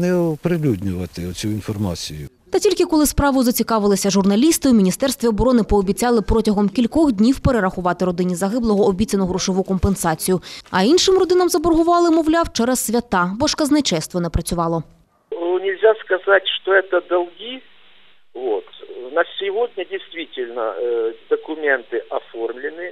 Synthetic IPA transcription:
nɛɔpɾɪlʲudʲnʲʊʋɐt̪ɪɔt͡sʲuinfɔrmɑ̰t͡sʲijʊ̰ | t̪ɐtʲilʲkɪkɔlˠɪspɾɑʋʊzɐt͡sʲikɑʋɪlˠɪsʲɐʒʊrnɐlʲist̪ɪwmʲinʲist̪ɛrst̪ʋʲiɔbɔɾɔnɪpɔːbʲit͡sʲɑlˠɪpɾɔtʲɐɦɔmkʲilʲkɔɣd̪ʲnʲiwpeɾeɾɐxʊʋɑt̪ɪɾɔd̪ɪnʲizɐɦɪblˠɔɦɔːbʲit͡sʲɐnɔɦɾʊʃɔʋukɔmpensɑt͡sʲijʊɐinʃɪmrɔd̪ɪnɐmzɐbɔrɦʊʋɑlˠɪmɔwlʲɑwt͡ʃɛɾɐsːʲʋʲɐt̪ɑbɔʃkɐznɐt͡ʃɛst̪ʋɔnɛpɾɐt͡sʲʊʋɑlˠɔ | nʲɪlʲzʲaskɐzatʲʂt̪ɔɛt̪əd̪ɐlˠɡʲi | vot̪nɐsʲɪʋod̪ʲnʲɐdʲɪjst̪ʋʲitʲɪlʲnɐ̰d̪ɐkʊmʲent̪ɪʔɐformlʲɪnɨ

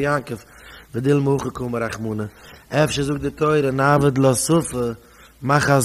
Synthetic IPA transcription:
jaŋkəf | vɪdɪlˠməʊχəkʊməɾaχmuːnəɛfʃəzʊk̚dɪtoɪɾənavədlˠəasʊfə | maχaz

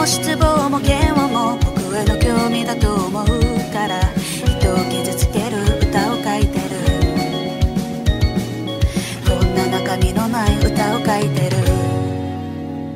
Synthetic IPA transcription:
oɕi̥t͡sɨbo̞ːmo̞ɡẽ̞ɰ̃wamo̞kokɯ̟βeno̞kʲo̞ːmʲid̪at̪o̞ːmo̞ɯkaɾa | i̥t̪o̞ɡʲid͡ʑɨt͡sɨ̥k̪e̞ɾɯ̟ɯ̟t̪ao̞kait̪e̞ɾɯ̟ | d̪̥õ̞nːanakaɡʲino̞naiɯt̪ao̞kait̪e̞ɾɯ̟ɯ

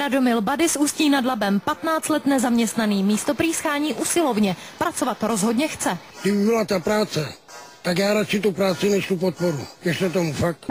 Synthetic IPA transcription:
ɾadomɪlbadɪsuːsciːnadlabɛmpat̪naːt͡st̪lɛt̪nɛzamɲɛst̪naniːmiːst̪o̞pɾiːsxaːɲiːʔusɪlovɲɛ | pɾat͡sovat̪ɾo̞zɦo̞dɲɛxt͡sɛ̥ | d̪ɪbɪbɪlat̪apɾaːt͡sɛ | t̪aɡjaːɾat͡ʃɪt̪upɾaːt͡sɪnɛʃt̪upot̪̚poɾṵjɛʃt̪ɛt̪̬omufak̚t̪

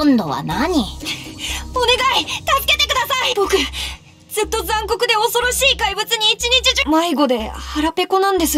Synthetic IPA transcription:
õnd̪oβa̰naɲ̟i | one̞ɡait̪asɨ̥ke̞t̪e̞kɯ̟d̪asaib̥o̞kɯ̟ | z̥ɨt̪ːo̞zãŋko̞kɯ̟d̪e̞o̞so̞ɾo̞ɕiːkaibɯ̟t͡sɨɲ̟iːt͡ɕiɲ̟it͡ɕiʑmaiɡo̞d̪e̞haɾape̞ko̞nãnd̪e̞sɨ

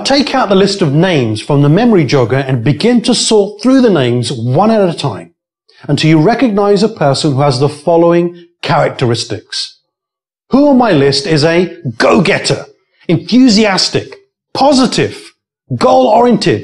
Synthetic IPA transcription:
tʰeɪkʰaʊt̪̚ðəlɪstʌvnẽɪ̃mz̥fɹʌ̃mðəmɛmə˞id͡ʒʌʊɡə˞ɨ̃nbɨɡɪ̃ntʰəsɔɹt̪̚θɹʉðɨnẽɪ̃mzwʌ̃ñəɾɨɾɨtʰãɪ̃m | ə̃ntʰɨjɨɹɛkɨɡ̚naɪzəpʰɜ˞sə̃nhuəzðəfɑlˠoʊɪ̃ŋkʰæɹɨk̚tə˞ɪstɨks | huə̃maɪlɪstɪzɨɡoʊɡɛɾə̰˞ | ɨ̃nθjʉziæstɪk | pʰɑzɨɾɪv̥ | ɡoʊlˠɔɹiɨ̃ntʰɪd̥

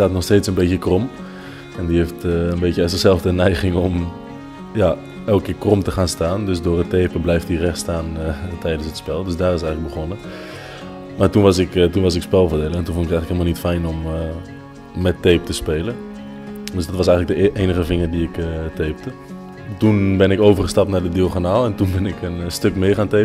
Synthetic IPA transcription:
aːtnɔxsteːtsənbeːtjəkrɔm | ɛndiheftənbeːtjəəsəzɛlˠfdənɛjχɪŋɔm | ja | ɛlˠk̚kɪːkrɔmtəχaːnstaːndøsdʊːrəteːpəblɛjftirɛxstaːntɛjdənsətspɛlˠdøsdaːrɪs̬ɛjɣələk̚ɡbəχonə | maːtunʋɑsɪktunʋɑsɪkspɛlˠvədeləɛntunfɔntɪktɛjŋləkelmalˠnitfɛjnɔm | ɛteːp̚təspeːlən | døsdɔtʋɑsɛjɣŋləɡ̚dəʔeːnəχəvɪŋərdiɪkteːp̚tə | tunbɪnɪkoːvərχəstɑp̚tnaːdədioxonaːlˠɛntunbɪnɪkənstøkmɪːχaːnteːə

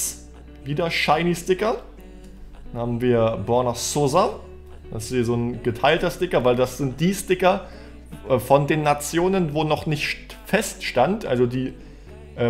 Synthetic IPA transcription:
viːdɐʃaɪnistɪkɐ | haːbm̩viːɐbɔɐnasoːza | d̥aɪsiːzoːnɡ̥ətʰaɪltɐstɪkɐvaɪldasz̥ɪnt̚d̥iːstɪkɐ | ʔɛfɔndeːnːat͡sjoːnənvoːnɔχnɪçtfɛstʃtantʔa̰lzodiː | ʔɛː

